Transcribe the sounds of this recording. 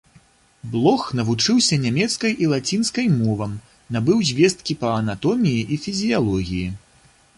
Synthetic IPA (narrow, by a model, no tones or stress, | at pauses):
blˠɔxnɐvut͡ʂɨwsʲɐnʲamʲɛt̪skɐjʔilˠat͡sʲinskɐjmɔvɐm | nabɨwzʲvʲɛst̪̚kʲipɐːnat̪ɔmʲijiʔifʲizʲijalˠɔɣʲiji